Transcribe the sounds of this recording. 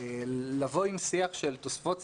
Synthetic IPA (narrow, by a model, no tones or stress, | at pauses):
lavo̞imsiaχʃelt̪osfot͡s